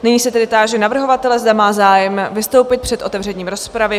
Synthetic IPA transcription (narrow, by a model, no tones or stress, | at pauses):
nɪɲiːsɛt̪ɛdɪt̪aːʒɛnavr̩ɦo̞vat̪ɛlɛzd̪amaːzaːjɛmvɪst̪o̞wpɪt̪̚pr̥ɛt̪ʔo̞t̪ɛvrɛɲiːmɾo̞spɾavɪ